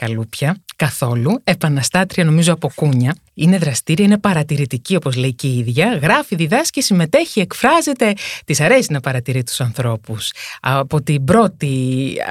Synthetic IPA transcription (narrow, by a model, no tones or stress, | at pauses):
kɐlupçɐkɐθo̞lue̞pɐnɐst̪ɐt̪ɾiɐno̞mizoɐpo̞kuɲɐ | ine̞ðɾɐst̪iɾiɐine̞pɐɾɐt̪iɾit̪icio̞po̞zle̞iceiðʝɐɣɾɐfiðiðɐscesime̞t̪e̞çie̞kfɾɐze̞t̪e̞t̪isɐɾe̞sinɐpɐɾɐt̪iɾit̪u̥sɐnθɾo̞pusɐ̰po̞t̪ibɾo̞t̪i